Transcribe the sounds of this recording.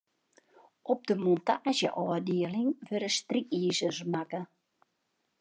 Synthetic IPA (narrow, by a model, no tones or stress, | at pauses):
ɔp̚dəmontaːʒə̰ʔɔːrdiəlɪŋʋøɾəst̪rikiːzəzmakə